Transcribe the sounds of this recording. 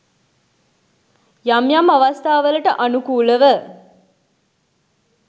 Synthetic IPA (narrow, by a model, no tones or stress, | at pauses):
jamjamɐʋast̪aːʋələʈəʔanukuːləʋə